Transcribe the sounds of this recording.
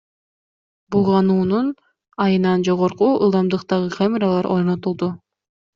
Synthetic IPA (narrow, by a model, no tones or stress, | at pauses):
bulˠʁɑnuːnun | ɑjɯnɑnd͡ʒo̞ʁo̞ɾquɯ̰lˠd̪ɑmd̪ɯqt̪ɑʁɯqʰamʲeɾɑlˠɑɾʔo̞ɾno̞t̪ulˠd̪u